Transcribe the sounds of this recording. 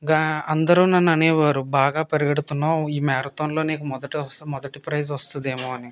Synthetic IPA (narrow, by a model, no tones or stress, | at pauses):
ɡaɐnd̪ɐɾunːɐnːɐnɛːʋaːɾubaːɡaːpɐɾiɡɐɽut̪unːaːiːmaːɾɐt̪oːnlo̞ːneːkumɔd̪ɐʈimɔd̪ɐʈipɾɐjzʋɐst̪und̪eːmoːɐni